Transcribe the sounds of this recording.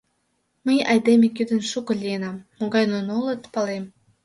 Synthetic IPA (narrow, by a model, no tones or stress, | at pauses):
məjɑjd̪emekyd̪ə̆nʃukɤ̆lʲijenɑmːoɡɑjnonolə̆t̪pɑlem